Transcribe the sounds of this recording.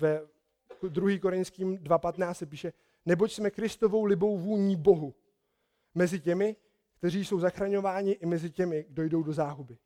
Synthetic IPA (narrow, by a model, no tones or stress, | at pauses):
vɛ | kd̪ɾuɦiːko̞ɾɪnskiːmdvapat̪naːt͡stsɛp̬iːʃɛ | nɛbo̞csmɛkɾɪst̪o̞vo̞wlɪbo̞wvuːlɲiːbo̞ɦu | mɛzɪcɛmɪ | kt̪ɛriːjso̞wzaxɾaɲo̞vaːɲɪʔɪmɛzɪcɛmɪɡdo̞jdo̞wdo̞zaːɦubɪ